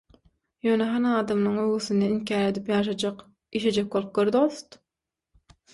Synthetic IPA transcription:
jø̞ːneɦɑnɑːd̪ɑmnɯŋøɣyθynd̪einkʲʰæːɾe̞d̪ipjɑːʃ̬ɑd͡ʒɑq | iʃed͡ʒek̚bolˠp̚ɡøɾd̪ost̪

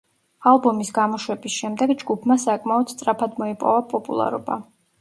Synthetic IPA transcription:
alˠbɔmisɡamɔʃwɛbisʃɛmd̪ɛɡd͡ʒɡupʰmasakʼmaɔd̪̥st̪sʼɾapʰad̪mɔipʼɔvapʼɔpʼṵlˠa̰ɾɔ̰ba̰

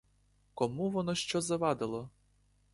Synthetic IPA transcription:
kɔmuʋɔnɔʃt͡ʃɔzɐʋɑd̪ɪlˠɔ

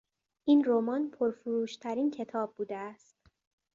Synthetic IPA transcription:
ʔinɾomɒnpʰoɾfuɾuːʃt̪ʰæɾiːncʰe̞t̪ʰɒːb̚ːuːd̪eæst̪

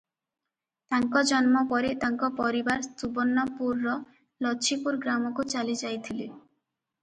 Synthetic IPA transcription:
t̪aŋkɔd͡ʒɔnmɔpɔɾet̪aŋkɔpɔɾibaɾst̪ubɔnːɔpuɾːɔ | lɔːipuɾɡɾamɔkut͡ʃalid͡ʒajt̪ʰili

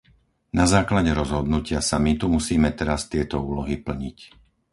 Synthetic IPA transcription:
nazaːklaɟɛɾɔzɦɔd̪nucɪasamit̪umusiːmɛt̪ɛɾast̪ɪɛt̪ɔuːlɔɦipl̩ɲic

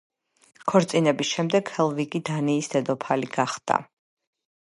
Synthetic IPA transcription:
kʰɔɾt̪sʼinɛbisʃɛmd̪ɛɡ̥hɛlˠviɡid̪aniːsd̪̥ɛd̪ɔpʰaliɡ̥aχd̪̥a̰

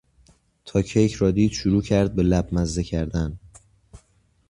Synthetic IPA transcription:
t̪ʰɒːcʰejcʰɾɒːd̪iːd̪̥ʃuɾuːcʰæɾd̪̚be̞læbmæzd̪ecʰæɾd̪æn

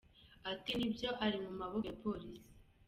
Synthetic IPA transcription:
atinibjo̞ʔaɾimumaβojepo̞ɾisi̥

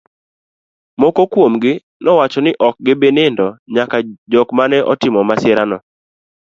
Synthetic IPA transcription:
mɔkokwomɡɪ | nʔɔwat͡ʃɔnɪʔɔk̚ɡɪbenɪndɔɲakad͡ʒɔkmanɛʔɔtɪmɔmasɪɾanɔ

